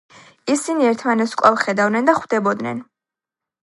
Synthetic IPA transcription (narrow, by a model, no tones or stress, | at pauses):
isiniɛɾt̪ʰmanɛt̪skʼwɛlˠχɛd̪avnɛnd̪aχwd̪ɛbɔd̪nɛ̰n